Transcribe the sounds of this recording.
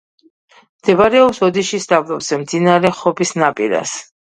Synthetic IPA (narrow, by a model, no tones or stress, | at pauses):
md̪̥ɛbaɾɛɔpsɔd̪iʃist̪ʼavlˠɔbz̥ɛmd̪zinaɾɛχɔpʰisnapʼiɾa̰s